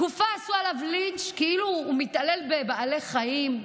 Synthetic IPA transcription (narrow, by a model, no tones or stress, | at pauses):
ufaːsualavlint͡ʃkeiluːmit̪ale̞lbebaaleχajim